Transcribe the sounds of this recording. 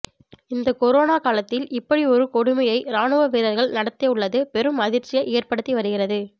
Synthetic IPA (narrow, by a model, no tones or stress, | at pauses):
ɪnd̪ɐkɔɾoːnaːkaːlɐt̪ːɪlɪpːɐɽiɔɾɯkɔɽɯmɐjɐɪɾaːnɯʋɐʋeːɾɐɾɣɐɭnɐɽɐt̪ːɐʊɭːɐðɯpɛɾɯmɐðɪɾt͡ʃɪjɐʔeːrpɐɽɯt̪ːiʋɐɾɯɣɪrɐðɯ